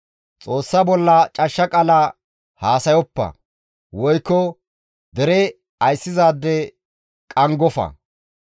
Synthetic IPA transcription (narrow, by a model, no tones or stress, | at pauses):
t͡sʼo̞ːsːɐbɔlːɐt͡ʃʼɐʃːɐkʼɐlɐ | haːsɐjɔpːɐ̰ | wɔjkːɔ | d̪ɛɾɛ | ɐjsːɪzaːd̪ːɛ | kʼɐŋɡɔfɐ̰